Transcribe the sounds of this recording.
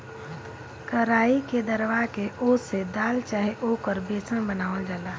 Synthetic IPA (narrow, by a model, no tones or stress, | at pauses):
kəɾaːiked̪əɾʋakeʔoːsed̪aːlt͡ʃaːɦeʔoːkəɾbeːsə̃bənaːold͡ʒaːlaː